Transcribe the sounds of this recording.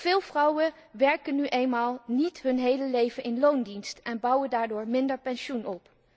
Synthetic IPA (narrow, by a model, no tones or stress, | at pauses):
v̥ɪːlˠvrʌwən | ʋɛɹkənːyʔejnmaːlˠnitɦɵnɦejləlejvənɪnlowndinstɛnbʌwəndaːɹdʊːɹmɪndəɹpɛnʃunʔɔp